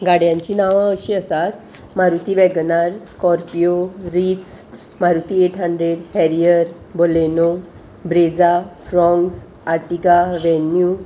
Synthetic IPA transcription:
ɡaɽjãɲt͡ɕiːnaʋãəɕiəsat̪ | maɾut̪iʋɛɡnaɾskɔɾpijoɾits | maɾut̪ieʈʰɦəɳɖɾeɽhɛɾijəɾ | boleno | bɾed͡zafɾɔ̃ŋɡs | aʈiɡaʋɛnju

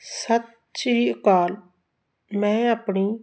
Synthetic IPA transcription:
sət̪ | t͡ʃikaːl | mɛ̃ːəpɳi

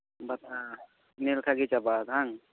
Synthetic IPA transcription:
bat̪a | nilkʰaɡit͡ʃabat̪ɦaŋ

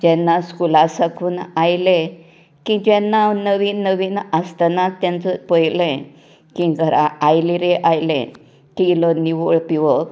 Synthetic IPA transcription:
d͡ʑɛnːaskulasakʰuːnajle | kĩd͡ʑɛnːanəʋiːnːəʋiːnast̪anat̪ːjɛ̃nt͡səpəjlẽ | kĩɡəɾa̰ajliɾeʔajlḛ̃ | kiləniʋoɭpiʋə

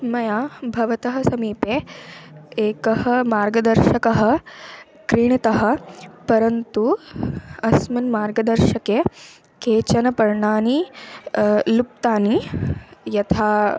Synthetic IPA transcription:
mɐjaːbʱɐʋɐt̪ɐɦɐsɐmiːpeː | eːkɐɦɐ̆maːɾɡɐd̪ɐɾʃɐkɐɦɐ̆ | kɾiɳit̪ɐɦɐ̆pɐɾɐnt̪u | ɐsmɐnmaːɾɡɐd̪ɐɾʃɐke | keːt͡ʃɐnɐpɐɾɳaːni | lup̚t̪aːni | jɐt̪ʰaː

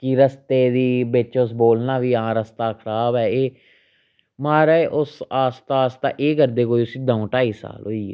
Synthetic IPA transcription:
kiɾəst̪eːd̪iːbɪt͡ʃʊsboːlnãːʋiːãːɾəst̪aːkʰəɾaːbɛːeː | maːɾɛːʔʊsaːst̪aːst̪a̰ːʔeːkəɾd̪eːkoːiːʊsĩːd̪ãõːʈaːiːsa̰ːlɦoːiːɛ̰ː

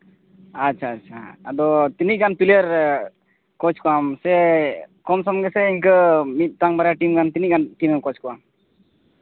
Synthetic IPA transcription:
att͡ʃʰaːtt͡ʃʰaːd̪ɔt̪iniɡanpiljeɾ | kɔt͡ʃkɔamsɛkɔmsɔmɡɛsɛiɲkəmit̪̚ˀt̪aŋbaɾjaʈimɡant̪iniɡanʈimɛmkɔt͡ʃkɔwam

